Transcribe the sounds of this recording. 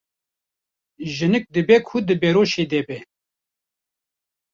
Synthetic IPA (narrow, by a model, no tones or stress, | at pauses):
ʒɨnɨk̚d̪ɨbɛkʰud̪ɨbɛɾoːʃed̪ɛbɛ